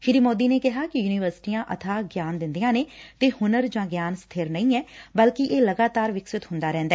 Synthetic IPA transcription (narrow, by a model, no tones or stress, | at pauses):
ʃɪɾiːmoːd̪iːneːkɪɦaːkɪjuːnɪːʋəɾsɪ̥ʈiːãːʔət̪ʰaːɡjaːnd̪ɪnd̪ijãːneːt̪eːhʊnəɾd͡ʒãːɡjaːnst̪ʰeːɾnəĩːɛːbəlkɪʔeːləɡaːt̪aːɾʋɪksɪt̪hʊ̃nd̪aːɾɛ̃ːnd̪aɛː